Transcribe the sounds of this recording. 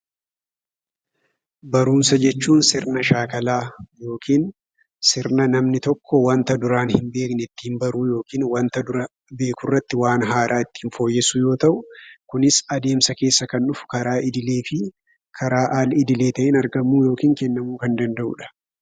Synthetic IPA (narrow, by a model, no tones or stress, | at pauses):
bɐɾuːnsɐd͡ʒɛt͡ʃːuːnsɪɾnɐʃaːkɐlaːjo̞ːkʰiːn | sɪɾnɐnɐmnɪt̪ɔkːɔwɐnt̪ɐd̪ʊɾaːnhɪmbe̞ːknɛɪt̪ːɪhɪmbɐɾuːjo̞ːkiːnwɐnt̪ɐd̪ʊɾɐ | be̞ːkʊrːɐt̪ːɪwaːnɦaːɾaːɪt̪ːɪ̥hɪnfo̞ːjːɛsʊjo̞ːt̪ɐʔʊkʊnɪsɐd̪e̞ːmsɐke̞ːsːɐkɐnᶑʊfʊ̥kɐɾaːʔɪd̪ɪle̞ːfɪ | kʰɐɾaːʔaːlɪd̪ɪle̞ːt̪ɐʔɪnɐɾɡɐmːuːjo̞ːkiːŋkɛnːɐmuːkɐnd̪ɐnd̪ɐʔʊ̰ᶑɐ̥